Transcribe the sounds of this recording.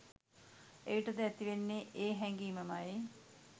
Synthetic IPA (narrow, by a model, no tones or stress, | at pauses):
ejiʈəd̪əɛt̪iʋenːeʔeːɦɛŋɡiːməmaje